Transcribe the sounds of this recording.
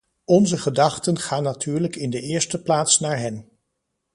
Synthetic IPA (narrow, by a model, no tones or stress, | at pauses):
ɔnzəχədɑχtənχaːnːatʰyːɹləkɪndəɪːɹstəplaːtsnaːɹɦɛn